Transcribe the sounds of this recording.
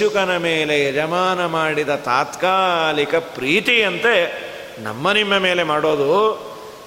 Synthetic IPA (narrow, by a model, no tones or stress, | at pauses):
ukɐnɐmeːleɛd͡ʒɐmaːnɐmaːɽid̪ɐt̪aːt̪kaːlikɐpɾiːt̪iɐnt̪e | nɐ̰mːɐnimːɐme̞ːle̞maːɽo̞ːd̪u